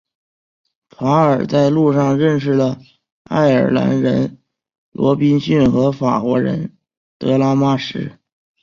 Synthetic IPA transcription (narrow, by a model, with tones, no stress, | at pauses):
fʰa˧˥ə˞˨˩t͡sa˥˧ɪlu˥˧ʂɑ˥˧ŋɻə˥˧nʂ̬ɻ̩˥˩lə˩ | a̰˥˩ɪə˞˨˩la̰˧˥nɻə˧˥n | lwʔɔ̰˧˥pi˥nɕy˥˩nxɤ˧˥fa̰˨˩kwɔ˧˥ɻə̰˧˥n | t̪ɤ˧˥la˥ma˥˩ʂɻ̩˧˥